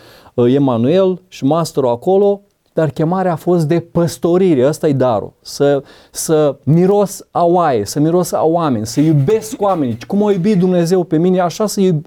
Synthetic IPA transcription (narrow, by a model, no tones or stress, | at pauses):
e̞manue̞lʃimast̪ɾoako̞lo̞ | d̪̥arkʲe̞maɾeaːfo̞st̪̚d̪e̞pəst̪o̞ɾiɾeəst̪ajed̪aɾo̰sə | səmiɾo̞sawajesəmiɾo̞sa̰wame̞nʲsəjube̞skoame̞nit͡ʃkumajubit̪̚d̪umne̞ze̞wpe̞mine̞aʃasəjubʲ